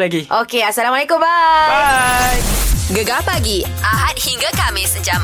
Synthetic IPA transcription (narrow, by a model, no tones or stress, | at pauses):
laɡiʔokeasalamwalekʊmba | jɡəɡapaɡiʔaɦat̚hiŋɡakamesəɲd͡ʒam